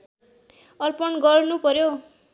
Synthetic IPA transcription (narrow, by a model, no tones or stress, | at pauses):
ʌrpʌnɡʌrnupʌɾjo